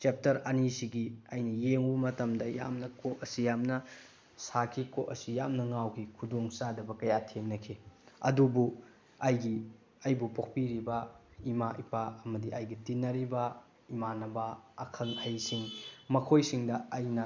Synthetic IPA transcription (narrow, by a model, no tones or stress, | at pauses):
t͡ʃep̚tɐɾɐnisiɡiɐjnɐjeŋumɐtɐmdɐja̰mnɐkoʔɐsijamnɐ | sakʰikoʔɐsijamnɐŋawkʰikʰudoŋsadɐbɐkɐjatʰeŋnɐkʰiɐ̰dubu | ɐjɡi | ɐjbupok̚piɾibɐimaʔipaɐmɐdiʔajɡitinːɐɾibɐ | imanɐbɐːkʰɐŋɐjsiŋmɐkʰojsiŋdɐɐjnɐ